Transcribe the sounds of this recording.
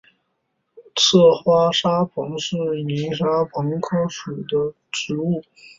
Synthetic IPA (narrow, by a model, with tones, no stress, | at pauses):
t͡sʰɤ˥˩xwa˥ʂa˥pʰɤ˧˥ŋʂɻ̩˥˩ni˧˥ʂa˥pʰɤ˧˥ŋkʰɤ˥ʂu˨˩d̪ə˦ | ʈ͡ʂɻ̩˧˥u˥˩